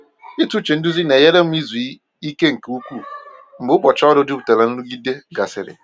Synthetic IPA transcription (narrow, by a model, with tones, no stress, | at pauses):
i˦tu˨˦t͡ʃe˨n̩˦du˦zi˦ne˨je˦ɾe˦m̩˦i˦zu˨˦ | i˦ke˦ŋ̩˨ke˨˦u˦kʷu˦˨m̩˨bʊ˦bɔ˨t͡ʃɔ˦dʊ˦du˦bu˨te˨la˨n̩˦lu˦ɡi˦de˦ɡa˨sɪ̰˨ɾɪ̰˨